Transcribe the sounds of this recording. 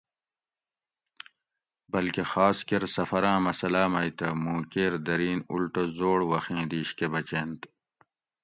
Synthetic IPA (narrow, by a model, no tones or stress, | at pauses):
bɐlkexaːskeɾsɐfɐɾãːmɐsɐlaːmɐjt̪ɐmũːkeɾd̪ɐɾiːnṵlʈozoːɽwɐxẽːd̪iːɕkebɐt͡ɕeːnt̪